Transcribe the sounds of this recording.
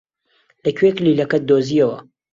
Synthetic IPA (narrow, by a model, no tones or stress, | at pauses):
lɐkʰweklilɐkɐt̪̚d̪oziɐwɐ̰